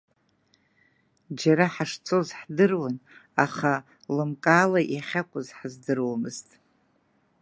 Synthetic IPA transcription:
d͡ʒaɾaħaʂt͡sʰo̞zħdɨrwanaχa | lɨmkʼaːlaʔjaχʲakʷʼʊzħazdɨrwamɨztʼ

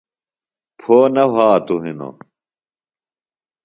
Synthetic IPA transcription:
pʰoːnɐɦaːt̪uɦino̰

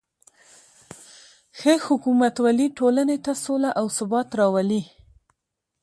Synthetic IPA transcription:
xehʊkumat̪waliʈolanet̪asolaʔawsʊbɑt̪ɾɑwali

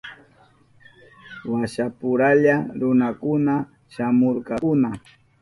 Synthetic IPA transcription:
waʃapʊɾaʎaɾʊnakʊna | ʃamoɾqɑʊna

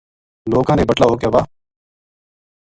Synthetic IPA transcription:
loːkãːnẽːbəʈlaːɦoːkjaːbaː

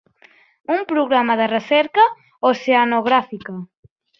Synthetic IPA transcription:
umpɾuɣɾamaðərəsɛɾka | oseanoɣɾafika

